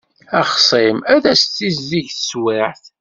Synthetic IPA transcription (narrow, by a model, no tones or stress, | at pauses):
æχsˤimæðæst̪ːizːiʝθəswiʕθ